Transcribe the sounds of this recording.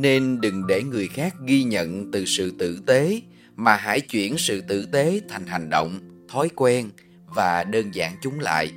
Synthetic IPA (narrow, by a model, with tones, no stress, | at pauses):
ne˧nɗɨ˨˩ŋɗe˧˩ŋɨ˨˩əjxaː˦˥k̚ɣi˧ɲə̰˧˨nt̪ɨ˨˩sɨ̰˧˨t̪ɨ̰˧˨t̪e˨˦ | maː˨˩ɦa̰ː˧˥˩jt͡ɕwḭ˧˩ənsɨ̰˧˨t̪ɨ̰˧˨t̪e˨˦t̪ʰa˨˩jŋ̟ɦa˨˩ŋ̟ɗo̰˧˨wŋ͡mt̪ʰɔ˨˦jkwɛ˧n | vaː˨˩ɗəː˧nza̰ː˧˩nt͡ɕʊ˨˦ŋ͡mla̰ː˧˨j